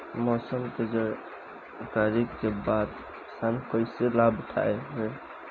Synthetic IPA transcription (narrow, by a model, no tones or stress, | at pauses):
mɔsəmt̪ed͡ʒa | kaɾikːebat̪ | sankəɪselabt̪ʰa̰eɦoj